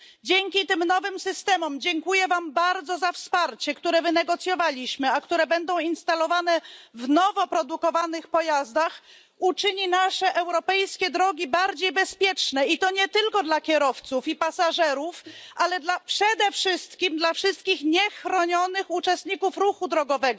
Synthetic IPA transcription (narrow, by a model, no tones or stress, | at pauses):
d͡ʑɛŋkʲit̪ɘmnɔvɘmsɘst̪ɛmɔmd͡ʑɛŋkujɛvambaɾd̪zɔzafspaɾt͡ɕɛkt̪uɾɛvɘnɛɡɔt̪sʲjɔvalʲiɕmɘakt̪uɾɛbɛnd̪ɔ̃w̃inst̪alɔvanɛvnɔvɔpɾɔd̪ukɔvanɘxpɔjazd̪ax | ut͡ʂɘɲinaʂɛʔɛwɾɔpɛjskʲɛd̪ɾɔɡʲibaɾd͡ʑejbɛspʲjɛt͡ʂnɛit̪ɔɲɛt̪ɘlkɔd̪lakʲɛɾɔft̪sufipasaʐɛɾufalɛd̪lapʂɛd̪ɛfʂɘst̪kʲimd̪lafʂɘst̪̚kʲixɲɛxɾɔɲɔnɘxut͡ʂɛst̪ɲikufɾuxud̪ɾɔɡɔvɛɡɔ